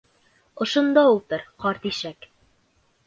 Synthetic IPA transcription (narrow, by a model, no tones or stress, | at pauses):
ŏʃŏnd̪ɑut̪ɤɾqɒɾt̪iʃæk